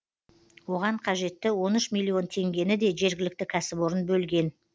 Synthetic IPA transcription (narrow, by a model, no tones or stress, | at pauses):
wo̞ʁɑɴqʰɑʒe̞t̪ːɪwo̞nʏʃmilʲˠːio̞nt̪ʰe̞ŋɡʲe̞nɪd̪e̞ʒe̞ɾɡʲɪlɪk̚t̪ɪkʲʰæsɪbo̞ɾənbɵlɡʲe̞n